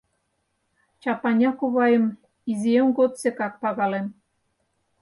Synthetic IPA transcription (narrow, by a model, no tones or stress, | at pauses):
t͡ɕɑpɑnʲɑkuβɑjə̆m | iziemɡot̪sekɑk̚pɑɣɑlem